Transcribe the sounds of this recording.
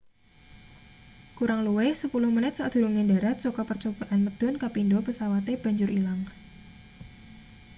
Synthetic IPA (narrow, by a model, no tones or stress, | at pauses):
kuɾaŋluwɪhsəpulʊhmənɪt̪̚saʔd̪̥ṳɾuŋendaɾat̪̚t͡ʃokɔpərt͡ʃob̥a̤ʔanməd̪̥ɔ̤nkapindɔpəsawat̪eb̥ä̤ɲd͡ʒʊɾʔilaŋ